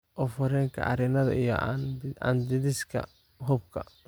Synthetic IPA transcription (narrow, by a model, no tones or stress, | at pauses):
ʔɔfɐɾɛːŋkʰɐ̰ʔɐ̰ɾɪnɐðɐ̰ijɔ̰ɐ̰nd̪ɪðɪskʰɐ̰ | ɦʊb̚kʰɐ̰